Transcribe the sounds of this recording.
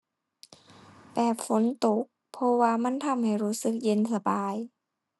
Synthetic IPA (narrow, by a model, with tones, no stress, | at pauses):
bɛː˨˩p̚fo˨˦nt̪o˧˦k̚pʰːɔ˧waː˧ma˧˥˨nt̪ʰa˧˩˨mha˧˨˩jɾuː˦˥sɯ˧˦k̚je˧˨nsa˧baː˧˦j